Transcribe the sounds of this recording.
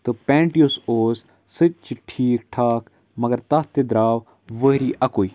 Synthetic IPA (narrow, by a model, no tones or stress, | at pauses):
t̪ɨpɛ̃ːɳʈijosoːs | sɨt͡ʃiʈʰiːk̚ʈʰaːk | mɐɡɐɾt̪ɐst̪ed̪ɾaːʋ | ʋəɦɾiːʔɐkoːi